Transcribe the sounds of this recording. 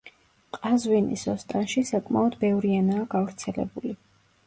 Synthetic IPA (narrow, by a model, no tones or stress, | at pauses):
qʼazwinḭsɔst̪ʼanʃisakʼmaɔd̪bɛvɾianaːɡavɾt̪sʰɛlɛ̰buli